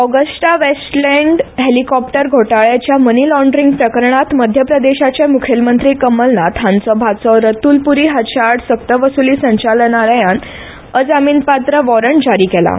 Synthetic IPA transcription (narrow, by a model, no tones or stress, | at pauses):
ɔɡəsʈaʋesʈlɛɳɖɦelikɔp̚ʈəɾɡʱoʈaɭjat͡ɕjamənilɔɳɖɾĩŋɡpɾəkəɾɳat̪məd̪ʱjəpɾəd̪eɕat͡ɕamukʰjəlmənt̪ɾiːkəmːəlnat̪ʰãnsɔbʱat͡sɔɾət̪uːlpuɾiːɦat͡ɕʰaɽsək̚t̪əʋəsuliːsə̃ɲt͡ɕalnaɾəjan | əd͡zamiːnpat̪ɾəʋɔɾəɳʈd͡zaɾiːkɛla̰